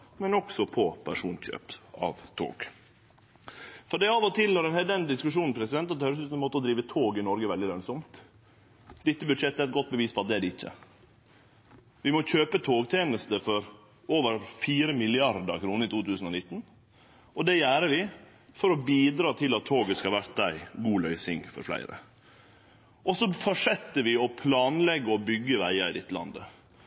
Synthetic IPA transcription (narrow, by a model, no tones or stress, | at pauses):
mɛnɔksɔpʰɔpʰæʂuːnɕø̰ːpɑ̰ʋt̪ʰo̰ːɡ | fɔɖɛɑʋɔt̪ʰɪlnɔɾɛnhɛld̪ɛnəd̪ɪskʉʂuːnn̩pʰɾɛsɪd̪ɛnt̪ɑt̪hœʏɾəs̬ʉːt̪nmoːt̪ːəɔd̪ɾiːʋət̪ʰoːɡɪnɔɾɡəʋɛld̪ɪlœnsɔmt̪ | d̪ɪt̪ːəbʉd̪ʂɛt̪ːəæɾɛt̪̚ɡɔt̪̚ːbəʋiːspʰɔɑt̪̚d̪ɛæɖɛɪçːə̰ | ʋɪmɔçøːpət̪ʰoːɡt̪ʰeːnəst̪əfɔɾ | oːʋəɾfiːɾəmɪlɪɑɾd̪əɾkʰɾuːnəɪt̪uːt̪ʰʉːsn̩ɔnɪt̪ːn | ɔd̪ɛjæːɾəʋɪ | fɔɾɔbiːd̪ɾɑːt̪ʰɪlɑt̪ʰːoːɡəskɑlʋæɾt̪̚d̪æɪɡuːlœʏsɪŋfɔ̰ɾflæ̰ɪɾə̰ | ʔɔsɔfɔʂɛt̪ːəʋɪɔpʰlɑːnlɛɡːəɔbʏɡːəʋæɪəɾɪd̪ɪt̪ːəlɑ̰nd̪ə